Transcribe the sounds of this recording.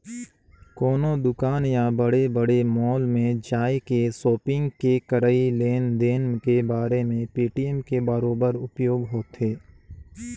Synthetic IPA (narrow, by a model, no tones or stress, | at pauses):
kɔːnod̪ʊkaːnjabəɽebəɽemɔːlmẽd͡ʒaːekesoːpɪ̃ŋɡkekəɾaileːnd̪eːnkebaːɾemẽpiːʈiɛmkebəɾoːbəɾʊpjoːɡɦoːt̪ɦeː